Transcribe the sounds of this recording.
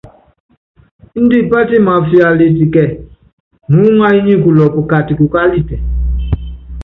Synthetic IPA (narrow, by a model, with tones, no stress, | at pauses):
n̩˦di˦˨pa˦ti˦˨ma˨fi˦a˨le˨ti˨kɛ˨ | nu˨˦ŋa˦i˦ɲĩ˦˨ku˨lɔ˨pu˨ka˨ti˨ku˨ka˦li˦˨tɛ˨